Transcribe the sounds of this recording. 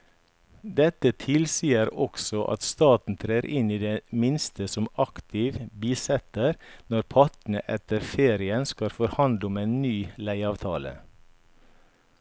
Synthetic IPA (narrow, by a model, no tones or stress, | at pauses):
d̪ɛt̪ət̪ʰɪlsiːəɾɔksɔʔɑ̰t̪st̪ɑːt̪n̩t̪ʰɾeːɾʔɪniːd̪eːmɪnst̪əsɔmɑkt̪ʰɪʋbiːsɛt̪əɾnɔɾpʰɑʈ̪n̩əʔɛt̪əɾfeːɾɪənskɑlfɔɾhɑnd̪əɔmeːnnyːlæɪɑːʋt̪ʰɑːlə̰